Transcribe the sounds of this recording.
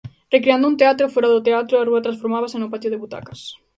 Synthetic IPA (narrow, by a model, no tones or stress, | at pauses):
rekɾeand̪ʊunt̪eat̪ɾofoɾaðʊt̪eat̪ɾʊaruɐt̪ɾãnsfoɾmaβasenʊpat̪oðeβut̪a̰kɐ̥s